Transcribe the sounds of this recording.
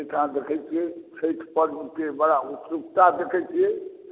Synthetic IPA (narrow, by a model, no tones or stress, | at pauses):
eʈʰãd̪ekʰɛjt͡ʃʰiɛt͡ʃʰeʈʰpəɾnkebəɽaut̪ɾukt̪ad̪ekʰɛjt͡ʃʰiɛ